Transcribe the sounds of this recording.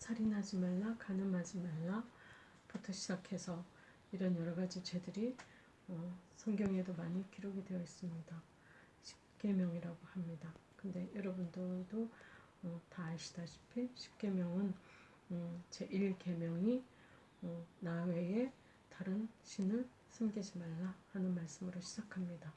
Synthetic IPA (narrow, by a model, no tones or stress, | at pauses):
sʰaɾinɦad͡ʑimaɭːakanɯmɦad͡ʑimaɭːa | putʰʌɕʰid͡ʑakʰe̞sʰʌ | iɾʌnjʌɾʌɡad͡ʑit͡ɕe̞dɯɾi | ʌsʰʌŋɡjʌŋe̞domaɲikiɾoɡidwe̞jʌis͈ɯmɲida | ɕʰi̥p̚k͈e̞mjʌŋiɾaɡohamɲidakɯnde̞jʌɾʌbundɯdo | ʌtaɭɕʰi̥d̥aɕʰi̥pʰiɕʰi̥p̚k͈e̞mjʌŋɯn | ʌt͡ɕeʔiɭke̞mjʌŋi | ʌnawe̞e̞ | taɾɯnɕʰinɯɭ | sʰɯmɡid͡ʑimaɭːahanɯnmaɭs͈ɯmɯɾoɕʰid͡ʑakʰamɲida